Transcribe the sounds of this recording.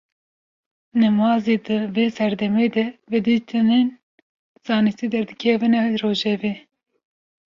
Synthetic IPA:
nɛmɑːzed̪ɨveːsɛɾd̪ɛmeːd̪ɛvɛd̪it̪ʰɨnen | z̥ɑːnisid̪ɛɾd̪ɨkʲʰɛvɨnɛroːʒɛveː

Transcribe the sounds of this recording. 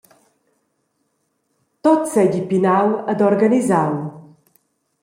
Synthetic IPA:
t̪otsɛɟipinawəd̪ɔɾɡənizaw

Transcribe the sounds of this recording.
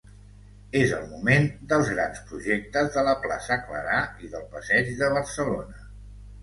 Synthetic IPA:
ezə̰lˠmumend̪əlˠzɣɾa̰nspɾuʒek̚t̪əzðələpla̰səklə̰ɾaiðəlˠpəsɛd͡ʒðəβ̞ərsəlonə

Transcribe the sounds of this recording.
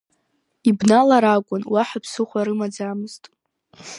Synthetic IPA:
ibnalaɾakʷʼʊnwaħapʰsɨχʷaɾɨmad͡zamɨztʼ

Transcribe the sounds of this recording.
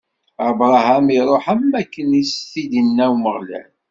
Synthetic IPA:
abɾˤɑɦæmiɾˤoħæmːækːənist̪id̪ənːæwməʁlæ̰n

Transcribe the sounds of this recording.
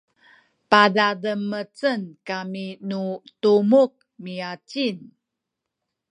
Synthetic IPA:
padadəmːət͡sənkaminutumuk̚miat͡ɕin

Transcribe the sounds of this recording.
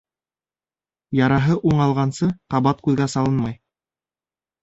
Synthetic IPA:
jɑɾɑɦɤʔuɴɑlˠʁɑnsɤqɑβɑt̪̚kʉðɡæsɑlˠɤnmɑj

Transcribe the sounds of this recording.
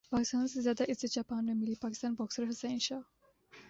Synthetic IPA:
paːkist̪aːnsezjaːd̪aʔized͡ʒapaːnmemilipaːki̥st̪aːnbɔːksɾɦɐseɪnʃaː

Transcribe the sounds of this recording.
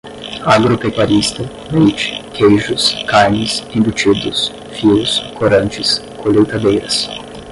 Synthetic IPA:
aɡɾopekwaɾist̪ɐ | mejt͡ʃɪ̥kʰejʒʊskaɾnɪsĩbut͡ʃid̪ʊs | fiʊskʰoɾɐ̃nt͡ʃɪskʰolewt̪ad̪ejɾɐs

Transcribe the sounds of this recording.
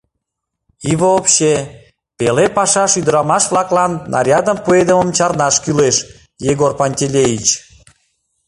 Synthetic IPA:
iβəopɕe | pelepɑʃɑʃyd̪əɾɑmɑʃβlɑklɑnːɑ̰ɾʲjɑd̪əmpued̪əməmt͡ɕɑrnɑʃkyleʃ | jeɣorpanʲtʲelʲejit͡ɕ

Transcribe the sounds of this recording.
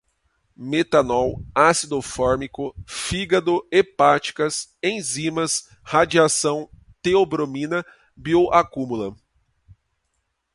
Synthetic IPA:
met̪anɔwasid̪ofɔɾmikʊfiɡɐd̪ʊepat͡ʃi̥kɐsẽj̃zĩmɐs | had͡ʒiasɐ̃w̃ | t̪eobɾomĩnɐ | bioʔakũmulɐ

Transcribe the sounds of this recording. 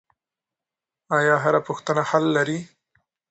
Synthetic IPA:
ɑjɑɦaɾapʊxt̪ənahalːaɾi

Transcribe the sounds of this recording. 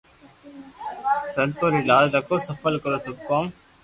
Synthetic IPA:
sɐnt̪oːɾiɖaːlɾɐkoːsɐfəlkɐɾoːsɐb̚kɔːm

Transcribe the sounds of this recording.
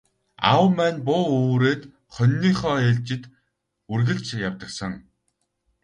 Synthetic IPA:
a̰wmæːnpʊːoːɾeːt̪ | χœnːiːχɔːeɮt͡ɕɪ̆t̪ | urɣɘ̆ɮt͡ɕjawt̪ə̆ksə̆ŋ

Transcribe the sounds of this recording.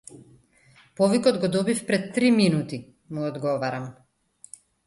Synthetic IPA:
pɔvikɔd̪ɡɔd̪ɔbifpɾɛt̪ːɾiminut̪i | muɔd̪ɡɔvaɾam

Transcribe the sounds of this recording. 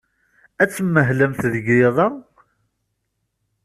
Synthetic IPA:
æt͡sːmːəɦləmθðəɡɾɪðˤɑ

